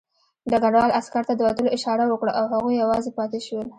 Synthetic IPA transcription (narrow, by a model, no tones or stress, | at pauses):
d̪əɡaɖwɑlaskaɾt̪ad̪əwat̪əloʔɪʃɑɾawəkɽaʔawhaɣujːawɑzepɑt̪eʃwəl